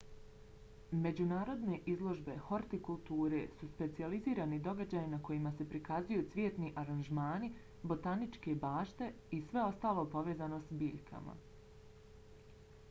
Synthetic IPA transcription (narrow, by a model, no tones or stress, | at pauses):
me̞d͡ʑunaːɾo̞d̪ne̞ʔizlˠo̞ʒbe̞xo̞ɾt̪ikulˠt̪uːɾe̞̰suspe̞t̪sializiːɾaːnid̪o̞ɡad͡ʑaːjinako̞jimase̞pɾikazujut̪sʋʲjet̪niʔaɾanʒmaːni | bo̞t̪anit͡ʃkebaːʃt̪e̞ | isʋe̞o̞st̪aːlˠo̞po̞ʋe̞ːzano̞sbiːʎkʰa̰ma̰